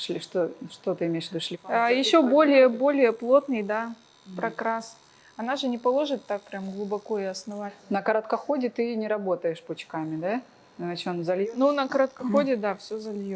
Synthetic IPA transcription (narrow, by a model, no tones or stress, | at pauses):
ʂlʲɪʂt̪oʂt̪ot̪ɨɪmʲejʂ̬vʲɪd̪uʂlʲɪajɪɕːo̞bo̞lʲɪjəbo̞lʲɪjəplˠo̞t̪nɨjd̪a | pɾɐkɾas | ɐnaʐɨnʲɪpɐlˠo̞ʐɨt̪ːak̚pɾʲamɡlˠʊbɐkoɪɐsnɐvatʲnəkɐɾɐt̪kɐxodʲɪt̪ɨnʲɪɾɐbo̞t̪əjɪʂpʊt͡ɕkamʲɪd̪a | nɐt͡ɕonzɐlʲjnunəkɐɾət̪̚kɐxo̞dʲɪd̪afsʲozɐlʲjo